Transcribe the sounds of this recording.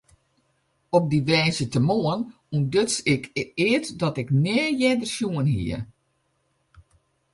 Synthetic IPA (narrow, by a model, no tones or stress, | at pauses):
ɔp̚diʋɛjzətəmoən | umdøtsɪkʰɪətdɔtɪknɛːjɛdərsjuənhḭə